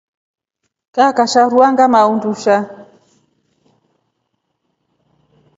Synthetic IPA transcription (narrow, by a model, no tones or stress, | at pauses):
kakaʃaɾuaŋɡamaunduʃa